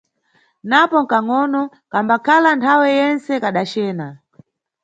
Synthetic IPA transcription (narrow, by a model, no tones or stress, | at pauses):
napɔŋ̩kaŋɔnɔ | kambakʰalantʰawɛjɛnt͡sɛkaɗat͡ʃɛːna